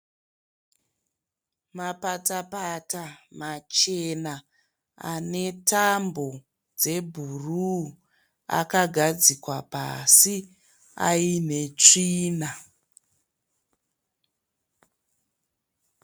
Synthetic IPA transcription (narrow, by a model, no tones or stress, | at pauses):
mapatapatamat͡ʃe̞na | a̰ne̞tambo̞ | d͡ze̞bʱuru | a̰kaɡʱad͡zikwapa̰si | a̰ine̞t͡ʂiːna